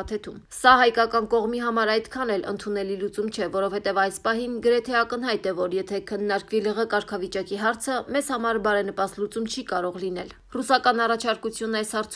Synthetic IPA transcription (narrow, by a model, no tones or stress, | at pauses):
t̪ʰɛt̪ʰum | sɑɦɑjkɑkɑnkɔʁmiɦɑmɑɾɑjd̪kʰɑnɛlə̰nt̪ʰunɛlilut͡sumt͡ʃʰɛvɔɾɔvhɛt̪ɛvɑjspɑɦinɡəɾɛt̪ʰɛɑkən̪ɦɑjt̪ɛvɔɾjɛt̪ʰɛkʰənːɑɾkviləʁəkɑɾkʰɑvit͡ʃɑkiɦɑɾt͡sʰəmɛzhɑmɑɾbɑɾɛnəpɑst̪lut͡sumt͡ʃʰikɑɾɔʁlin̪ɛl | rusɑkɑnɑrɑt͡ʃʰɑɾkut͡sʰjunɑjshɑɾt͡sʰ